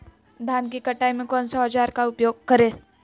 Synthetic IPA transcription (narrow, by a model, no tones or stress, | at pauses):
d̪ʱaːnkikɐʈaːimẽkɔ̃ːnsaad͡ʒaːɾkaʊpjoːɡ̚kɐɾẽː